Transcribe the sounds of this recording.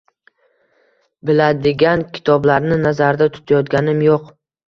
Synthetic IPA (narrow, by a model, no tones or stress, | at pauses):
bɪlad̪ɪɡʲankʲʰɪ̥t̪ʰɒblaɾnɪnazaɾd̪at̪ʰʊ̥t̪ʰajɒt̪ɡʲanɪmjoq